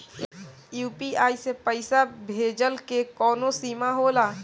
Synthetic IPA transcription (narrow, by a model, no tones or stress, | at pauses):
juːpiaːisepəɪsabʱeːd͡ʒəlkekɔːnosiːmaɦoːlaː